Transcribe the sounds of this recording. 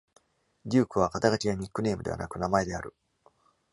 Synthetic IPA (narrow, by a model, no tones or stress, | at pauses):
ɾʲɨːkɯ̟βakat̪aɡat͡ɕijaɲ̟ikːɯ̟ne̞ːmɯ̟d̪e̞a̰na̰kɯ̟namae̞d̪e̞aɾɯ̟